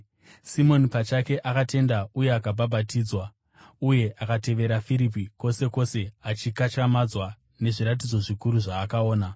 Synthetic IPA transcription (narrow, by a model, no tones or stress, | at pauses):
simo̞nipat͡ʃake̞ʔakate̞ndauje̞akabʱabʱatiːd͡zwa | uje̞akate̞ʋe̞ɾafiɾip̬iko̞se̞ko̞se̞at͡ʃikat͡ʃamad͡zwa | ne̞ʐiɾat̬id͡zo̞ʐikuɾuʐaːkaoːna